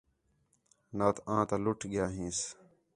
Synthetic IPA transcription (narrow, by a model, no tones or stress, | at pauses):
naːt̪ʰãːt̪alʊʈʰɡɪjaːɦĩːs